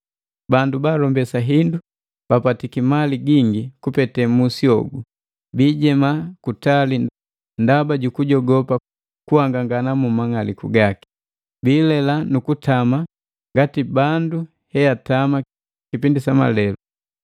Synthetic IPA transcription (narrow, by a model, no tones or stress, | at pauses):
bandubaːlɔmbɛsaɦindu | b̥apatikimaliɡiŋɡikupɛtɛmusiɔɡu | biːɟɛmakutali | ndabaɟukuɟɔɡɔpa | kuhaŋɡaŋɡanamumaŋalikṵɡaki̥ | biːlɛlanukutʰama | ŋɡatibandu | hɛjatama | kipindisama̰lɛlu